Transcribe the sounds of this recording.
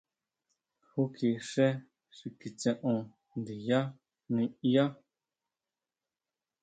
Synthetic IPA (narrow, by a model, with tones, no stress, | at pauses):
hu˦kʰe˨ʃɛ˦ | ʃi˨ki˨t͡sɛ̃˦˨ʔɔ̃˨ | n˨di˨ja˦ | nĩ˨ja˦